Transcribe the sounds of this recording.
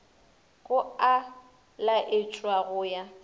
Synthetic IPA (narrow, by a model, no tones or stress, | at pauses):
kʼʊa | laʔɪt͡ʃʼwaɣʊːja